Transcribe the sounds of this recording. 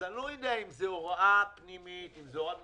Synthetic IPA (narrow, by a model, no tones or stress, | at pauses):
alojid̪eaimzeoʁoapnimit̪imzeoa